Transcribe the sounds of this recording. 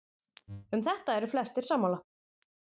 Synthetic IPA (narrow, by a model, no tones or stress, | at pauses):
ʏmθɛht̪aɛɾʏflɛst̪ɪɾsaːmːawla